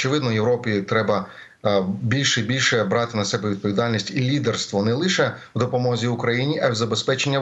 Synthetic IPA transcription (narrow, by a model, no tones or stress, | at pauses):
t͡ʃeʋɪd̪nɔjeʋɾɔpʲit̪ɾɛbɐ | bʲilʲʃɛibʲilʲʃɛbɾɑt̪ɪnɐsɛbɛʋʲid̪̚pɔʋʲid̪ɑlʲnʲisʲtʲilʲid̪erst̪ʋɔnɛlˠɪʃɛwd̪ɔpɔmɔzʲiʊkɾɐjinʲiʔɐwzɐbe̞spɛt͡ʃenʲːɐ